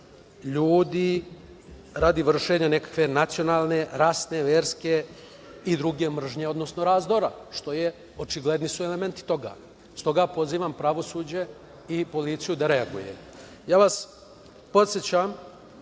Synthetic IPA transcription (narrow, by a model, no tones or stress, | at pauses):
ʎuːd̪i | ɾad̪iʋr̩ʃe̞ɲanekḁkʋe̞nat̪sijo̞naːlˠne̞ɾasne̞ʋeːɾske̞ | id̪ɾuɡe̞mr̩ʒɲe̞o̞d̪no̞sno̞ɾaːzd̪oɾaʃt̪o̞je | ot͡ʃiɡle̞d̪nisueleme̞nt̪i̥t̪o̞ɡa̰ | st̪o̞ɡapo̞ziːʋampɾaʋo̞suːd͡ʑe̞ | ipo̞lit̪sijud̪aɾe̞aɡṵjḛ | jaːʋas | po̞t̪sjet͡ɕam